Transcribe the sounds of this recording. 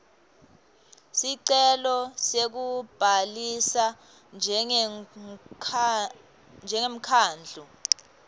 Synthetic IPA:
siǀɛlɔsek̬ub̥ʱalisa | nʱ | nd͡ʒʱɛŋem̩kʰaːnd͡ɮʱu

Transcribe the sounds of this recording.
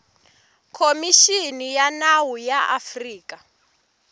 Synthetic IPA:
kʰomiʃinijanawujaa̰friːka

